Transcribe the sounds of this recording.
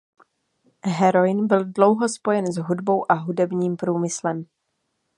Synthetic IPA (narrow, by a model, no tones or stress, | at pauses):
ɦɛɾo̞jɪnbɪldlo̞wɦo̞spo̞jɛnzɦudbo̞wʔaɦudɛbɲiːmpɾuːmɪslɛm